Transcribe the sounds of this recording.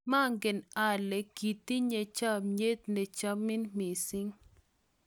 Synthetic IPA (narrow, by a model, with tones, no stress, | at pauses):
ma˦˨ŋɡɪ˨na˨lɛ˨ki˨t̪i˦ɲe˨t͡ʃa˦mɲe˦t̪ne˨t͡ʃa˦mɪ˦nmi˨sɪ˦ŋ